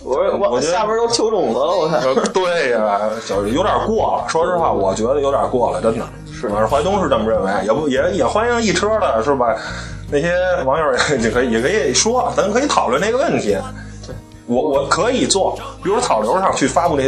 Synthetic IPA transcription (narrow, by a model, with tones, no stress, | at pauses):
wwɔ˨˩t͡ɕɛ˥a˥˧˩mə˧˥t̪o˥ʊt͡ɕʰjo˧˥ʊʈ͡ʂʊ˨˩ŋlə˧˦lkʰa˥˩˧t̪we˥˩ɪ˩t͡ɕɑ˨˩ʊ˧˩jo˧˥jə˞˨˩kwɔ˥˩lə̰˩ʂwɔ˥ʂɻ̩˥˧xwa˥˩wɔ˨˩t͡ɕɥɛ˧˥d̪ə˧jo˧˥ʊdʲjɑ̰˨˩kwɔ˥˩lə̰˩ʈ͡ʂə˥nd̪ə˨˧˩ | xwa˧˥ɪt̪ʊ˥ŋʂɻ̩˥˧ʈ͡ʂə˥˩mə˧ɻə˥˩nwe˧˥ɪjɛ˨˩pu˥˩jɛ˨˩jɛ˨˩xwa˥ni˥ŋi˥˩ʈ͡ʂʰɤ˥lə˨ʂɻ̩˥˩bə˩na˥˩ɕjɛ˥wɑ˧˥ŋjo˧˥jɛ˥˩t͡ɕi˧˩ŋkʰɤ˧˥i˨˩ɛ˨˩kʰɤ˧˥i˨˩ʂwɔ˥ə˧˥n˧ŋkʰɤ˧˥˧t̪ʰɑ˨˩ʊlwə˥˧na˥˩ɡə˧wə˥˩nt̪ʰi˧˥ | wɔ˧˩wɔ˨˩˦kʰɤ˧˥i˨˩t͡swɔ˥˩pi˨˩ɻu˧˥ʂt̪ʰɑ˨˩ʊljo˧˥ʂɑ˥˩ŋt͡ɕʰy˥˩fa˥pu˥˧n˥˩˥